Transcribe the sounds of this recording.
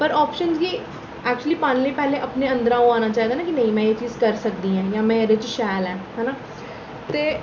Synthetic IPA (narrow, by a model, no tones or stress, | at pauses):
pəɾɔːpʃənzɡiː | ɛːk̚t͡ʃuəliːpaːnleiːpɛːleːʔəpneːə̃nd̪əɾãːõaːnaːt͡ʃaːɦiːd̪aːnãːkinə̃ĩːmɛ̃ːeːt͡ʃiːzkəɾsək̚d̪iːɦɛ̃ːjãːmɛ̃ːɾɪt͡ʃʃɛːlɛ̃ːɦɛːnaː | t̪eː